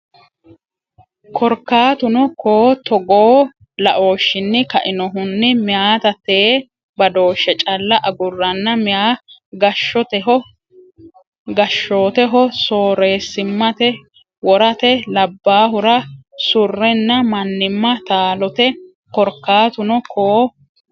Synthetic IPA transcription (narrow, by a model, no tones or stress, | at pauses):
kʰɔɾkːaːt̪ʊnɔkoːt̪ɔɡoː | lɐʔo̞ːʃːɪnːɪkɐʔɪnɔɦʊnːɪmɪjaːt̪ɐt̪ːeː | bɐd̪o̞ːʃːɛt͡ʃʼɐlːɐʔɐɡʊrːɐnːɐmɪjaːɡɐʃːɔt̪ɛɦɔ | ɡɐʃːo̞ːt̪ɛɦɔsoːɾe̞ːsɪmːɐt̪ɛ | wɔɾɐt̪ɛlɐbːaːɦʊɾɐsʊrːɛnːɐmɐnːɪmːɐt̪aːlɔt̪ɛ | kɔɾkːaːt̪ʊnɔkʰoː